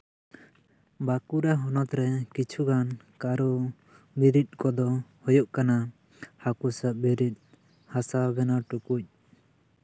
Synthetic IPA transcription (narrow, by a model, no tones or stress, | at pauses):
bakuɾaɦɔnɔt̪ɾɛkit͡ʃʰuɡan | kaɾɔ | biɾit̪̚kɔd̪ɔhɔjɔʔkana | hakusaʔ̚biɾit̪̚ˀ | hasabɛnaʈukuc̚